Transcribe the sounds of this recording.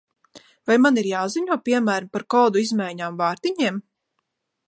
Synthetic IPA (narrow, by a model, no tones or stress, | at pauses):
vajmaniɾjaːziɲuɔpʲiɛmæːɾmpaɾkɔːd̪uizmajɲaːmvaːɾt̪iɲiɛm